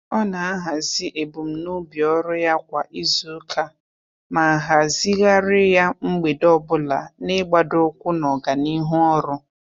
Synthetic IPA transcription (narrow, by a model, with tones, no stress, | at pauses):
ɔ˦na˨a˦ɦa˨zi˦ʔe˨bu˨m̩˨nʊ˦bi˨ɔ˦ɾʊ˦ja˦kʷa˨ʔi˦zu˦kʰa˦ | ma˨a˨ɦa˨zi˦ɣa˦ɾɪ˦ja˦ŋ͡m̩˦ɡ͡be˨dɔ˦bʊ˦la˨nɪ˦ɡ͡ba˨dʊ˦kʷʊ˦nɔ˨ɡa˨ni˦ɦʊ˦ɔ˦ɾʊ˦